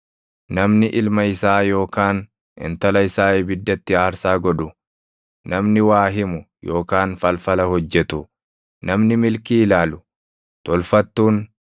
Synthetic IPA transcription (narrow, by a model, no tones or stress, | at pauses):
nɐmnɪʔɪlmɐɪsaːjo̞ːkaːn | ɪ̰nt̪ɐlɐɪsaːibɪd̪ːɐt̪ːɪaːɾsaːɡɔᶑʊ | nɐmnɪwaːɦɪmʊ | jo̞ːkaːnfɐlfɐlɐhɔd͡ʒːɛt̪ʊ | nɐmnɪmɪlkiːɪlaːlʊ | t̪ɔlfɐt̪ːuːn